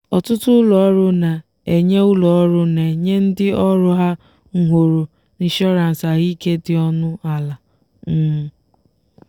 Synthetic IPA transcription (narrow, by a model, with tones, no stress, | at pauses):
ɔ˨tʊ˦tʊ˦ʊ˦lɔ˨ɔ˦ɾʊ˦na˨ | e˨ɲe˦ʊ˦lɔ˨ɔ˦ɾʊ˦ne˨ɲe˦n̩˦dɪ˦ɔ˦ɾʊ˦ɦa˦ | ŋ̩˦ɦʷo˨ɾo˨ | ni˨ʃɔ˦ɾa˨n̩˨sa˨ɣi˦ke˦dɪ˦ɔ˦nʊ˦a˨la˨ | n̩˦˨